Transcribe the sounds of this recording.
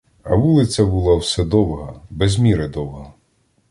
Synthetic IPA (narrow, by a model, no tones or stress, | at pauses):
ɐ̰ʋulˠɪt͡sʲɐbʊlˠawsɛd̪ɔwɦɐbɛzʲmʲiɾɪd̪ɔwɦɐ